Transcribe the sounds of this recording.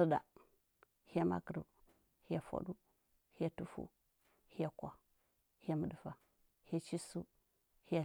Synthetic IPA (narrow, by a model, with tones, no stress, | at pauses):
sə˦da̰˨ | hi˦ja˦ma̰˦kə˨ɾṵ˨ | hi˦ja˨fa̰˨ɗu˦ | hi˦ja˦˨tu˦fṵ˦ | hi˦ja˨kʷa˨ | hja˦mə˨də˨va˨ | hi˦ja˦t͡ʃi˦su˦ | hi˦ja˨